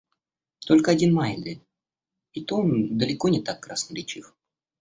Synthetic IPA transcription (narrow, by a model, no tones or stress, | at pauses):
t̪o̞lʲkəɐdʲinmajɪnd̪ʲɪ | ɪt̪ond̪əlʲɪkonʲɪt̪akːɾasnəɾʲɪt͡ɕif